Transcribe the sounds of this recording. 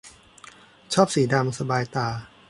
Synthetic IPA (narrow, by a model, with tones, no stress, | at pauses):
t͡ɕʰɔː˥˩p̚siː˩˦da˧msa˧baː˧jt̪aː˧˩